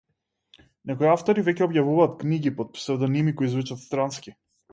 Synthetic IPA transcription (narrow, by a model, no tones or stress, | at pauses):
nɛkɔiaft̪ɔɾivɛcʲɛɔbjavuvaːt̪kniɡipot̪̚psɾɛd̪ɔnimikɔjizvut͡ʃat̪st̪ɾanskʲi